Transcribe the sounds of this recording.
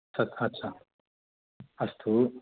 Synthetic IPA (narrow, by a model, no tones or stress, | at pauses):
sɐt̪ʰɐtːɕʰa | ɐst̪ʰu